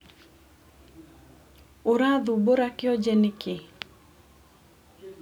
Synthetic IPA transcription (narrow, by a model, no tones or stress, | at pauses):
oɾad̪uboɾakɪɔd͡ʒenɪkɪ